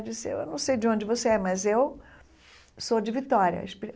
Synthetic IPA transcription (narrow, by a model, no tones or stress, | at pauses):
d͡ʒisɪḛwḛwnɐ̃w̃sejd͡ʒɪõnd͡ʒɪvoseɛmɐzew | sod͡ʒɪvit̪ɔɾʲjɐ̰iʃp